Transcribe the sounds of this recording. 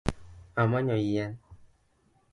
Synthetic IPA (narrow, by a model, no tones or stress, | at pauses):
amãɲɔ̃jija